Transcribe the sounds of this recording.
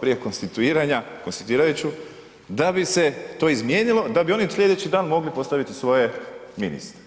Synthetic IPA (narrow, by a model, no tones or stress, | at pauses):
pɾijeko̞nst̪it̪uiːɾaɲakonst̪ḁt̪uiːɾajut͡ɕu | d̪abise̞t̪o̞ːizmjeːnilˠo̞d̪abio̞nisʎʲe̞d̪e̞t͡ɕid̪aːnmo̞ɡlipo̞st̪aʋit̪isʋo̞je̞minḭst̪ɾe̥